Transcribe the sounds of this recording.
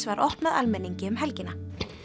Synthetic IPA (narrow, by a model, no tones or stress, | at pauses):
svaɾʔɔht̪naðalmɛnːiɲcɪʏmɦɛlcɪna